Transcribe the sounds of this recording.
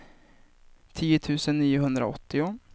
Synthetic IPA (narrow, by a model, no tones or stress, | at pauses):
t̪ʰiːət̪ʰʉ̟ːsənːiːʊɦɵnd̪ɾa̰ɔ̰t̪ːɪʊ